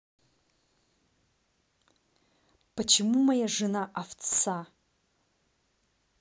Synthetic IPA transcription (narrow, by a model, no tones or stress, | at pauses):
pɐt͡ʃʰemumajaʐɨnaʔaft͡sːa